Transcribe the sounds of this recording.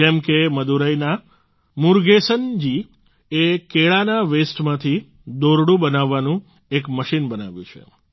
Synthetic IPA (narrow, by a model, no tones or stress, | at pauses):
ɛmkeməd̪uɾəjna | muɾɡesənd͡ʒi | ekeɭanaʋesʈmãt̪ʰi | d̪oɾɽũbənaʋːanũ | ekməʃinbənaʋjũt͡ʃʰḛ